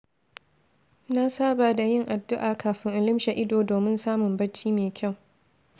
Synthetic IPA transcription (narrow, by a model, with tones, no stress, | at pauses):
na˦saː˦baː˨da˨jɪ˦ŋʔa˨dːʊ˦ʔaː˨kaː˨ɸɪ˦ŋʔa˨lɪ˦mʃa˨ʔɪ˦doː˨doː˨mɪ˦nsaː˦mʊ˨mbɐ˦t͡ʃːiː˦meː˨kʲʰa˦˨w